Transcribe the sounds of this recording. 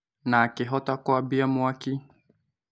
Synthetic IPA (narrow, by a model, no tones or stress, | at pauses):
naːkɪɦɔtakɔabiamuaki